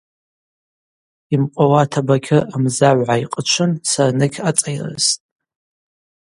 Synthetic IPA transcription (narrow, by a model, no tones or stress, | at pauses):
imqʷʼawatʰabakʲʰɪʔːmzaʕʷʕaiqʼət͡ʃʷʰɨnsarnɨkʲʰat͡sʼajra̰ztʼ